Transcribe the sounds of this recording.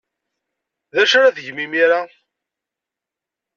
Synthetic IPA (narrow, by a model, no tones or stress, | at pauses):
ðæʃɾaðəʝmimiɾa